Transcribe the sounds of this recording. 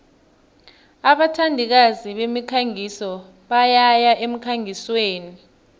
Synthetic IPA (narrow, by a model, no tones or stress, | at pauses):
aɓatʰandʱik̬aziɓemikʰaŋisɔ | ɓajajaʔem̩kʰaŋʱisweːni